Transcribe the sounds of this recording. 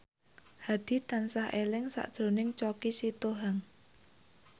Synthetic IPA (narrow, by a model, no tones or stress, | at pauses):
had̪̥i̤t̪ansahʔelɪŋsa̰ʔd̥ʒ̥ɾo̤nɪŋt͡ʃɔkisit̪oɦaŋ